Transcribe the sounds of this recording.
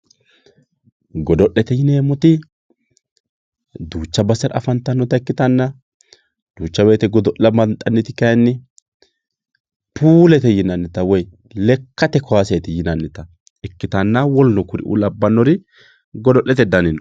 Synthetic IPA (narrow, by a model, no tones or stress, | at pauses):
ɡɔd̪ɔʔːɛt̪ɛjɪneːmɔt̪ɪ | d̪uːt͡ʃːɐbɐsɛɾɐ̰fɐnt̪ɐnːɔt̪ɐɛkːɪt̪ɐnːɐ | d̪̥uːt͡ʃːɐwɛjt̪ɛɡɔd̪ɔʔɐmɐnt̪ʼːɐnːɪt̪ɪkɐjnːɪ | puːlɛt̪ɛjɪnɐnːɪt̪ɐwɔj | lɛkːɐt̪ɛkʰɔwasɛt̪ɛjɪnɐnːɪt̪ɐ | ɛkːɪt̪ɐnːɐwɔlnɔkʊɾɪ̰ʔṵlɐbːɐnːɔɾɪ | ɡɔd̪ɔʔɛt̪ɛd̪ɐnɪn